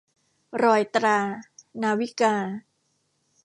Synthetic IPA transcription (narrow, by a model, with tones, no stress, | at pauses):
ɾɔː˧jt̪ɾaː˧naː˧wi˦˥kaː˧